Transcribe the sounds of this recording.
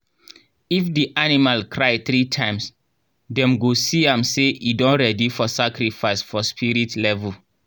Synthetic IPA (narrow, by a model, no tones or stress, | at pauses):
ifdiʔanimalkʰɹaɪθɾitʰãɪ̃ms | dɛ̃mɡosiãmseidɔ̃nɹɛdifɔsakɾifaɪsfɔspʰiɾitlɛvul